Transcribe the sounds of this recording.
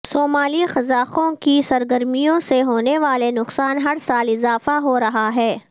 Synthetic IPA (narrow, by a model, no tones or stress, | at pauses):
soːmaːlixɐzaːqõkisɐɾɡɐɾmijõseɦoːneʋaːlenʊqsaːnɦɐɽsaːlɪzaːfaɦoɾɐɦaɦɛː